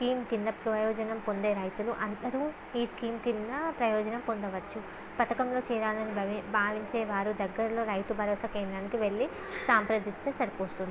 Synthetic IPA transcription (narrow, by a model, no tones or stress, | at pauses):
skiːmkind̪ɐpɾɐjɔːd͡ʒɐnɐmpo̞nd̪e̞ːɾɐjt̪uluʔɐnd̪ɐɾu | iːskiːmkind̪ɐpɾɐjɔːd͡ʒɐnɐmpond̪ɐʋɐt͡ʃːu | pɐt̪ɐkɐmlo̞ːt͡ʃɛːɾaːlɐnibʱaːʋiɲt͡ʃɛːʋaːɾud̪ɐɡːɐɾɐlo̞ːɾɐjt̪ubʱɐɾɔːsɐkeːnd̪ɾaːnikiʋe̞ɭːi | saːmpɾɐd̪ist̪eːsɐɾipoːst̪und̪i